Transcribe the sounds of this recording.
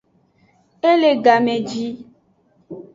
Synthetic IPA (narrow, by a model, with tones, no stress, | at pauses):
e˦le˨ɡa˨mẽ˨d͡ʒi˦